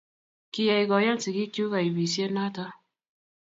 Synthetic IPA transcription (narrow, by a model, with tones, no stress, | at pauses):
ki˦ja˨i˨ɡɔ˨ja˦nsi˨ki˦kju˦ka˨i˨bi˨sje˦na˦ta˦